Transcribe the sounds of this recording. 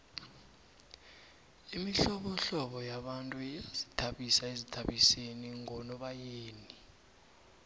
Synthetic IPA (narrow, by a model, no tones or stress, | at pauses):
imiɬɔɓɔɬɔɓɔjaɓantʼuaazi̥tʰaɓisaezitʰaɓiseniŋɔnɔɓajeːni